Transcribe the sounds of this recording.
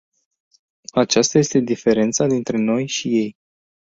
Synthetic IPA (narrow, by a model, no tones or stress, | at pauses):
at͡ʃast̪aje̞st̪e̞d̪ife̞ɾe̞nt̪sad̪int̪ɾe̞no̞jʃije̞j